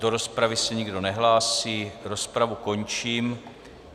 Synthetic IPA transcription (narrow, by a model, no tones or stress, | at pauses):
do̞ɾo̞spɾavɪsɛɲɪɡdo̞nɛɦlaːsiːɾo̞spɾavuko̞ɲt͡ʃiːm